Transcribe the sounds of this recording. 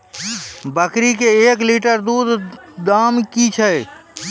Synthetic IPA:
bəkɾikeeːkliːʈəɾd̪uːd̪ʱd̪aːmkit͡ʃʰɛ

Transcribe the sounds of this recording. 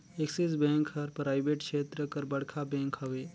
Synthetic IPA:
eksisbẽːŋkɦɐɾpɾaːjbeʈkʃeːt̪ɾəkəɾbɐɽkʰabẽːŋkɦɐʋe

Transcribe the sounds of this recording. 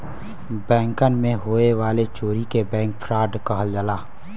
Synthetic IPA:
bɛ̃ːŋkənmẽɦoːeʋaːlet͡ʃoːɾikebɛ̃ːŋk̚pʰɾaːɖkəɦəld͡ʒəlaː

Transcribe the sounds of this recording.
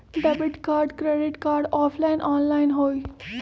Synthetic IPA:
ɖɛbɪʈkaːɾɖkɾeɖɪʈkaːɾɖɔːfʰlaɪnʔɔːnlaɪnɦoːi

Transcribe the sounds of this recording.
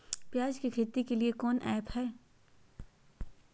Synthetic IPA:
pjaːd͡ʒkikʰɪɾt̪ikeliekɔːnʔɛːphɛː

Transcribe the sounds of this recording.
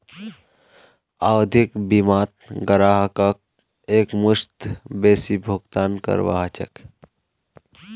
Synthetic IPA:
aːwd̪ʱikbimaːt̪̚ɡəɾaːɦəkək̚ | eːkmʊʃt̪beːsibʱʊɡt̪aːnkə̰ɾʋa̰ɦt͡ʃə̰k

